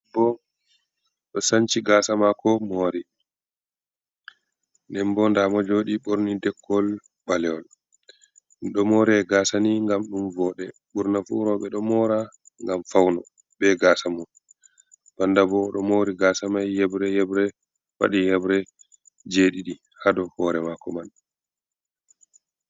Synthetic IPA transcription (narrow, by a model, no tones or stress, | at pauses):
bɔ | ɗɔsaɲt͡ʃiɡaːsamakɔmoːɾi | nɛmbɔndamɔd͡ʒoɗiɓoɾnidɛkːɔl | balɛɔl | nɗɔmoɾiɛɡaːsaniŋɡamɗumvɔːɗɛ | ɓuɾnafuɾɔɓɛɗɔmɔɾa | ŋɡamfawnɔ̰ | bɛɡasamɔn | b̥andabɔɗɔmoːɾiɡasamajːɛbɾɛjɛbɾɛ | wa̰ɗijɛbɾɛ | d͡ʒeɗiɗi | hadɔhɔɾɛmakɔman